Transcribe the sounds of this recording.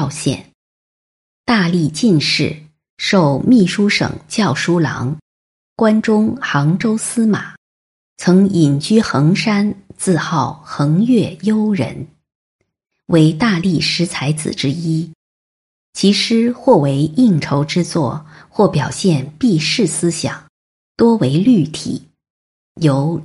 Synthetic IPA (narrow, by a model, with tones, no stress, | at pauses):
ɕjɛ̰˥˩n | t̪a˥˧li˥˧t͡ɕi˥˧nʂɻ̩˥˩ | ʂo˥˧ʊmi˥˩ʂu˥ʂɤ̰˨˩ŋt͡ɕjɑ˥˩ʊʂu˥lɑ̰˧˥ŋ | kwa˥nʈ͡ʂʊ˥ŋxɑ˧˥ŋʈ͡ʂo˥ʊsɹ̩˥ma̰˨˩˦ | t͡sʰɤ˧˥ŋi˨˩ŋt͡ɕy˥xɤ˧˥ŋʂa˥nt͡sɹ̩˥˧xɑ˥˩ʊxɤ˧˥ŋjɥɛ˥˩jo˥ʊɻə̰˧˥n | we˧˥ɪt̪a˥˧li˥˩ʂɻ̩˧˥t͡sʰa˧˥ɪt͡sɹ̩̰˨˩ʈ͡ʂɻ̩˥i˥ | t͡ɕʰi˧˥ʂɻ̩˥xwɔ˥˩we˧˥ɪi˥˩ŋʈ͡ʂʰo˧˥ʊʈ͡ʂɻ̩˥t͡swɔ̰˥˧ | xwɔ˥˩pjɑ˨˩ʊɕjɛ˥˧npi˥˧ʂɻ̩˥˩sɹ̩˥ɕjɑ̰˨˩˦ŋ | t̪wɔ˥we˧˥ɪly˥˩t̪ʰḭ˨˩˦ | jo˧˥ʊ